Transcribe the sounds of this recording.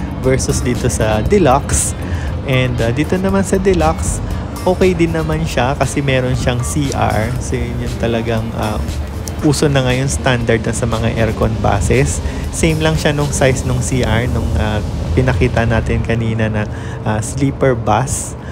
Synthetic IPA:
vɛɹsʊsd̪iːt̪o̞sɐd̪ɪlaks | ʔɛnd̪ad̪iːt̪o̞nɐmansɐd̪ɛlaks | ʔo̞ːkɛjd̪ɪnːɐmanʃakɐsɛmɛːɾo̞nʃɐŋsiːʔa̰ɹsjʊnt̪ɐlɐɡaŋʔa̰ː | ʔuːsonɐŋajʊŋst̪and̪ɐɹd̪nɐsɐmɐŋaʔɛɹkonba̰ːsɛsːejmlɐŋʃanʊŋsajsnʊŋsiːʔɐɹnʊŋʔapɪnɐkiːt̪ɐnaːt̪ɪnkɐniːnɐnɐ | ʔasliːpɛɹbas

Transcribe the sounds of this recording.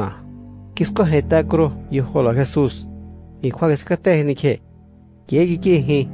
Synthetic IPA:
ãkiskoɦẽt̪akuɾojoholaxesusĩkʰʷakisi̥kat̪ehĩnĩkʰe | kekikiɦĩ

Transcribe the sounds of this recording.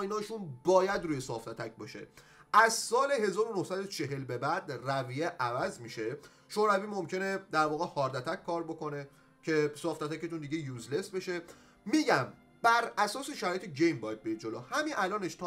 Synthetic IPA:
inɒːʃunbɒːjæd̪ɾuːjesɒːft̪æt̪ʰæc̚ʰbɒːʃḛ | æzsɒːle̞ɦe̞zɒːɾo̞nohsæd̪ot͡ʃʰe̞ɦe̞lbe̞bæd̪rævijeʔævæzmiʃe̞ | ʃoːɾæviːmomcʰe̞ne̞d̪æɾvɒːɣehɒːɾd̪æt̪ʰæckʰːɒːɾbo̞ko̞ne | cʰe̞sɒːft̪æt̪æcet̪und̪iɟejuːzle̞sbe̞ʃe̞ | miːɟæm | b̥æɾæsɒːseʃæɾɒːjet̪ʰeɟejmbɒːjd̪̚beid̪d͡ʒolo̰hæminʔælɒːneʃt̪ʰɒ

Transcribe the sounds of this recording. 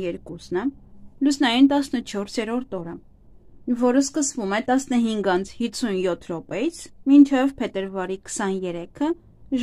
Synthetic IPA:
jɛɾkusnəlusnɑjunt̪ɑsnət͡ʃʰɔɾsjɛɾɔɾt̪ɔɾə | vɔɾəskəsvumɛt̪ɑsnəɦiŋɡɑnt͡sʰhit͡sʰunjɔt̪ʰɾɔpɛjit͡sʰmint͡ʃʰɛvpʰɛt̪əɾvɑɾikʰə̥sɑnjɛɾɛkʰə | ʒ

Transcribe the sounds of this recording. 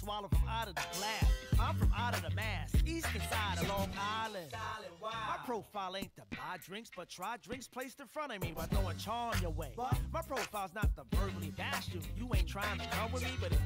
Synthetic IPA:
swɑlˠoʊfɹʌ̃maʊɾʌvðɨɡlæsãɪ̃ɱfɹʌ̃maʊɾʌðɨmæsizkɨ̃saɪɾəlɔ̃ŋaɪlˠɨ̃nd | maɪɹ̥oʊfaɪlˠẽɪ̃ntʰəbaɪdɹɪ̃ŋksb̥ʌt̚ʰɹ̥aɪdɹɪ̃ŋkspʰl̥eɪstʰɨfɹʌ̃ɾ̃ʌmibʌt̚ɡ̥õʊɨ̃nt͡ʃʰɑə̃njə˞weɪmaɪpʰɹ̥oʊfaɪlˠznət̪̚ðəbɜ˞ɡlibæsʉ̃mjɨẽɪ̃ntʰɹ̥aɪɪ̃ŋtʰɨkʰʌ̃mwəðmibʌɾɨ

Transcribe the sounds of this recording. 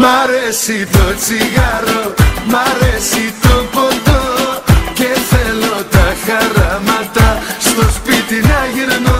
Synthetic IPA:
maɾesit̪ot͡siɣaɾomaɾesit̪opont̪o | keθelot̪axaramat̪ast̪ospit̪inaɣeɾno

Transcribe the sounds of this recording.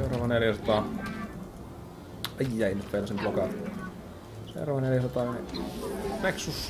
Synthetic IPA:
seurɑʋɑneljæsɑt̪ɑːˑ | ɑjːæinyt̪ʋelæsemplokɑ | sḛurɑʋɑneljæsɑt̪ɑːni | leksus

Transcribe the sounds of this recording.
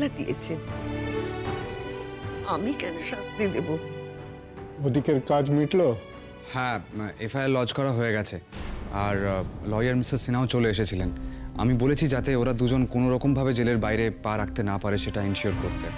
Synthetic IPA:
lad̪ijḛt͡ɕʰe | amikɛnoʃast̪id̪ebo | od̪ikeɾkad͡ʑmiʈlo | hɛ̃efʰajelːɔd͡ʑkɔɾaɦoeɡɛt͡ɕʰeaɾlɔjaɾmisaɾsinaot͡ɕoleeʃ̬et͡ɕʰilena̰mibolet͡ɕʰid͡ʑat̪eoɾad̪ud͡ʑonkonoɾɔkombʱabed͡ʑeleɾbajɾepaɾak̚ʰt̪enapaɾeʃeʈainʃioɾkoɾt̪e

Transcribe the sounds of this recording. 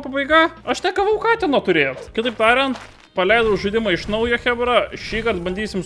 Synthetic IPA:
pɐbɐɪɡɑɐʃnʲɛɡɐʋɐʊkɑːt̪ʲɛnɐt̪ʊɾʲeːjot̪kʲɪt̪ɐɪp̚t̪ɑːɾʲɛnt̪ | pɐlʲɛɪd̪ɐʒʊd̪ʲɪmɐɪʃnɐʊjɛxʲæbɾɑʃʲiːkɐrt̪̚bɐnʲd̪ʲiːsʲɪm

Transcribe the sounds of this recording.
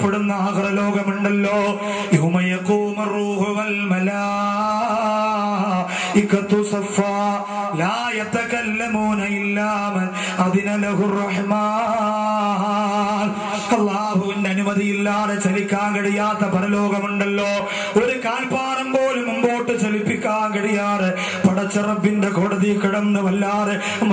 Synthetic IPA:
pːeɽunːɐːpɐɾɐlo̞ːɡɐmuɳɖɐlːoː | jumɐjɐkuːmɐrːuːhʊɐlmɐlaː | ikːɐt̪ːusɐfːaː | laːjɐt̪ɐkɐlːɐmuːnɐilːaːmɐ | ɐðinɐlɐɦurːɐħmaː | n | ɐlˠˤːaːɦuindeɐnumɐðijilːaːðet͡ɕɐlikʲːaːnkɐɽijaːt̪ːɐpɐɾɐloːɡɐmuɳɖɐlːoː | oɾukaːlpaːɾɐmboːlumumboːʈːɨt͡ɕɐlipːikʲːaːnkɐɽijaːðe | pɐɽɐt͡ɕːɐrɐbːinɖekoːɽɐðikiɽɐmnɨʋɐlːaːðe

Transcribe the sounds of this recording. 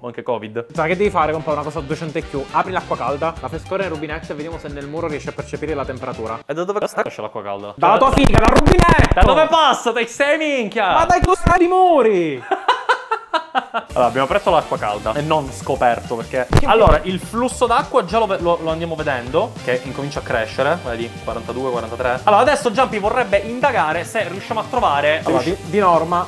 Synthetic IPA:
oaŋk̟ekɔːvid̪sakːed̪ːɛifaːɾekompɔunakɔːzad̪uet͡ʃɛnt̪ekːjuaːpɾilakːwakald̪alafeskɔːɾeneɾubinɛt̪ːeved̪jaːmosenːelmuːɾoriɛʃːeapːert͡ʃepiːɾelat̪empeɾat̪uːɾaed̪ːad̪oːvekɔsat̪iɛʃːela̰kːwaka̰ld̪a̰d̪alatt̪uːatfḭːɡalaɾubinɛt̪ːd̪ad̪ovepasːat̪aksɛmiŋkjamad̪ajt̪uskad̪imoːɾi | alːoːɾabjamopɾɛsːolakːwaka̰ld̪a̰enːonskopɛrt̪operk̟ealːoːɾaʔilflusːod̪akːwad͡ʒaloveloloand̪jamoved̪ɛnd̪ok̟eʔiŋkomint͡ʃakːɾeʃːeɾeveːd̪ikwaɾant̪ad̪uːekwaɾant̪at̪ɾealːoːɾad̪ɛsːod͡ʒampivorːɛbːeʔind̪aɡaːɾeseriuʃːamoat̪ːɾovaːɾeʃd̪inɔrma

